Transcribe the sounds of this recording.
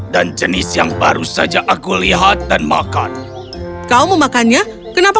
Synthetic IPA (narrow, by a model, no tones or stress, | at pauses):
dand͡ʒənɪsjaŋba̰ɾusad͡ʒaʔakuliɦat̪̚danma̰kan | kawməmakanɲa | kənapa